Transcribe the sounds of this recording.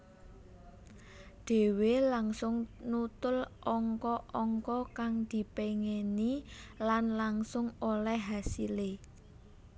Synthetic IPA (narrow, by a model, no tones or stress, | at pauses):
ɖ̪̥e̤welaŋsʊŋnut̪ʊlʔɔŋkɔʔɔŋkɔkaŋd̪̥i̤peŋenilanlaŋsʊŋolɛhɦasile